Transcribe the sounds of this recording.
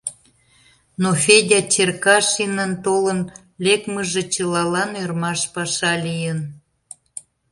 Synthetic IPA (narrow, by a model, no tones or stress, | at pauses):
nofʲedʲɑt͡ɕerkɑʃinənt̪olən | lʲekməʒet͡ɕəlɑlɑnørmɑʃpɑʃɑlʲijən